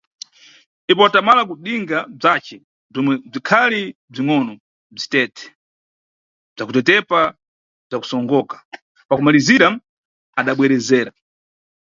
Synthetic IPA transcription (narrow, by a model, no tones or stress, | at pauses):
nipɔatamalak̬uɗiŋɡab͡ʐat͡ʃɛ | b͡ʐɔmwɛb͡ʐikʰalib͡ʐiŋɔnɔ | b͡ʐitɛtʰɛ̥ | b͡ʐakutɛtɛpa | b͡ʐaku̥sɔŋɡɔkḁ | pakumaliziɾa | aɗaɓwɛɾɛzɛːɾa